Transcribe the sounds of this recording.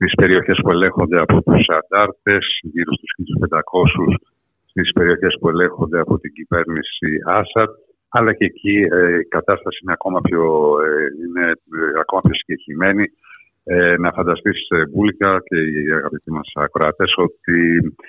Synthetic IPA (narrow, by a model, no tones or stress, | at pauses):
t̪ispe̞ɾio̞çe̞spue̞le̞ŋxo̞nd̪e̞ɐpo̞t̪usɐnd̪ɐɾt̪e̞sʝiɾost̪u̥sçit̪uspe̞nd̪ɐko̞sus | st̪ispe̞ɾio̞çe̞spue̞le̞ŋxo̞nd̪e̞ɐpo̞t̪iɲɟive̞ɾnisiɐsɐd̪̚ | ɐlɐceːcʰieikɐt̪ɐst̪ɐsiineɐko̞mɐpço | ineɐko̞mɐpço̞si̥ɲɟe̞çime̞ni | nɐfɐnd̪ɐst̪isevulʝɐce̞iiɐɣɐpit̪imɐsɐkɾɐt̪e̞so̞t̪i